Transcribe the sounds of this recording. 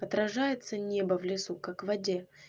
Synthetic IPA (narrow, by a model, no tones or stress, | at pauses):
ɐt̪ɾɐʐajɪt̪sənʲebəvlʲɪsukakvɐdʲe